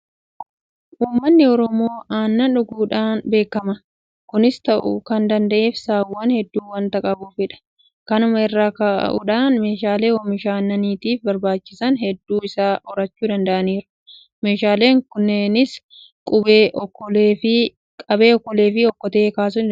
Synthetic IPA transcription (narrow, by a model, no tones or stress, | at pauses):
ʔuːmːɐnːɪɔɾɔmoːʔaːnːɐᶑʊɡuːᶑaːnbe̞ːkːɐmɐ | kʊnɪst̪ɐʔʊ̰kɐnd̪ɐnd̪ɐʔe̞ːfsaːwːɐnhɛd̪ːuːwɐnt̪ɐkʼɐbuːfɛᶑɐ̥ | kɐnʊmɐɛrːaːka̰ːʔʊ̰ᶑaːnme̞ːʃaːle̞ːɔmɪʃaːnːɐniːt̪iːfbɐɾbaːt͡ʃːɪsɐnhɛd̪ːuːɪsaːʔɔɾɐt͡ʃːuːd̪ɐnd̪ɐʔɐniːɾʊ̥ | me̞ːʃaːle̞ːŋkʊnːeːnɪs | kʼʊbeːʔkːɔɪ | kʼɐbe̞ːɔkːɔle̞ːfɪɔkːɔt̪ɐeːkaːs̬ʊn